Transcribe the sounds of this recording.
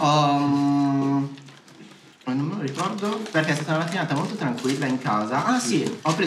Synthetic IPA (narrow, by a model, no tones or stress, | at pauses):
ɔ | nomːeloɾikɔrd̪operkeɛst̪aːt̪anamat̪ːinaːt̪amolt̪ot̪ɾaŋkwilːaiŋkaːzaʔasiɔpːɾeː